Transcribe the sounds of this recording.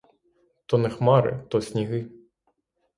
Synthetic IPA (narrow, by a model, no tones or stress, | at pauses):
t̪ɔnɛxmɑɾɪ̰t̪ɔsʲnʲiɦɪ